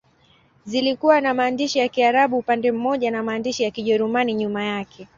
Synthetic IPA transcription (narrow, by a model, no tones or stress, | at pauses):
zilikuwanamaːndiʃijakiaɾaɓuːpandɛm̩mɔʄanamaːndiʃijakiʄɛɾumaniɲumajakʰɛ